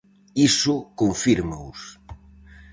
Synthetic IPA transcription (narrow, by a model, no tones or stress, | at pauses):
isʊkoɱfiɾmaus